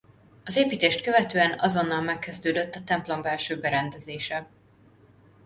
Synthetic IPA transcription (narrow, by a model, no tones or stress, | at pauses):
ɒzeːpiːt̪eːʃt̪̚kø̞vɛt̪øːɛnɒzo̞nːɒlmɛkːɛzd̪øːd̪øt̪ːɒt̪ɛmplo̞mbɛlʃøːbɛɾɛnd̪ɛzeːʃɛ